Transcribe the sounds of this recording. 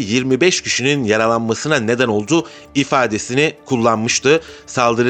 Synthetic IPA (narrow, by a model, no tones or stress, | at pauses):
jiɾmibɛʃcʰiʃininjaɾalˠanmasɯnane̞d̪æno̞lˠd̪uː | ifaːd̪e̞sinikʰulˠːanmɯʃt̪ʰɯsalˠd̪ɯɾɯ